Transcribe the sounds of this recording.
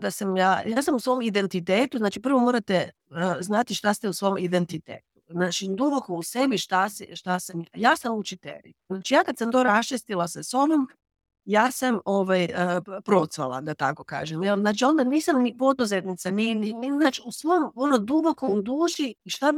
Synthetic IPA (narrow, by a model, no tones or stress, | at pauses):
d̪asamjaːjaːsamusʋo̞ːmid̪e̞nt̪it̪eːt̪uznaːt͡ʃipɾr̩ʋo̞moːɾat̪ɛ | znat̪iʃt̪ast̪ɛusʋo̞mid̪ent̪it̪ḛːt̪u̥znaːt͡ʃid̪ubo̞kousebiʃt̪asɛʃt̪asamjjaːsamut͡ʃit̪ḛʎḭznaːt͡ʃijaːkad̪samt̪o̞ɾast͡ʃist̪ilaseso̞nom | jaːsamo̞ʋajəpɾo̞t̪sʋa̰lˠa̰d̪at̪ako̞ka̰ːʒemɛlnaːt͡ʃio̞nd̪aniːsamnipo̞d̪uzet̪nit̪saninininaːt͡ʃiusʋomonod̪ubo̞komd̪uːʃiːʃt̪a